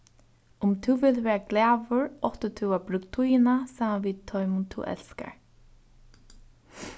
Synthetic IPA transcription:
ʊmt̪ʰɪwvɪlt̪ʋɛːɹaɡlæːvʊɹɔht̪ət̪ʰuwabɾʏk̚t̪ʰujɪnasaːmanviːd̪̚t̪ʰːɔjmʊnt̪ʰːṵːʔɛ̰lska̰ɹ

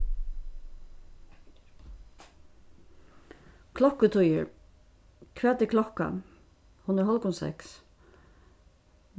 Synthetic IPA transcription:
kʰlɔkət̪ʰʊjəɹ | kʰʋɛːt̪ɪkʰlɔka̰ | hʊnəɾhɔlkɔnsɛ̰ks

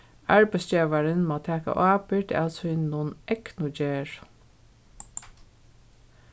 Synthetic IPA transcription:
ɑɹbæɪsd͡ʒeːʋaɹənmɑːt̪ʰæːka̰ʔɑːpɪʈʰa̰lsʏnʊnʔɛknʊd͡ʒeːɹ

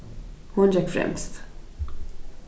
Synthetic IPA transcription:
hɔnd͡ʒɛkfɾɛ̰mst̪

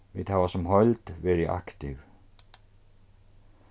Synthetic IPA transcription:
viðhavasɛmɦœɥlt̪vɛːɾɪʔa̰kt̪ɪv

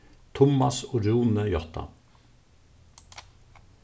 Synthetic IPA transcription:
t̪ʰʊmɑsɔɾuːnəjɔt̪ʰɑ̰

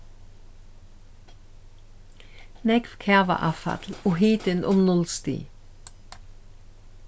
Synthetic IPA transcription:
nɛkfkʰæʋɑ̰ʔɑfɑ̰t̪l̩oːɦeːd̪̥ənʔɔmnɔlst̪ḭː

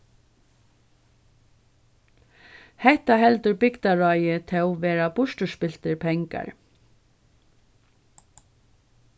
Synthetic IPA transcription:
hɛht̪aɦɛlt̪ʏɾbɪkt̪aɹɔjɪt̪ʰɛwʋɛːɾabʊʃʈʏspɪlt̪ɪɾpʰɛŋka̰ɹ

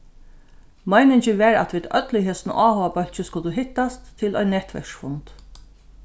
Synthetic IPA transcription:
majnɪɲt͡ʃɪʋɛɹa̰t̪ʋiːd̪œ̰t̪lɪɦeːsn̰ʔaːhɔːʋapœl̥t͡ʃɪskʊt̪uɦɪht̪ːast̪ʰːɪlɔ̰jnːɛht̪ʋɛ̰ʂfʊnt̪

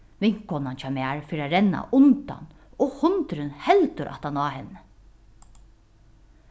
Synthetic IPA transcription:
ʋɪŋ̥kːɔnant͡ɕʰamaɹfiːɾaɾɛnːa̰ʔʊnt̪a̰n | ɔhʊnt̪ɾɪnhɛlt̪ʊɾʔa̰ht̪anɑːɦɛnːə

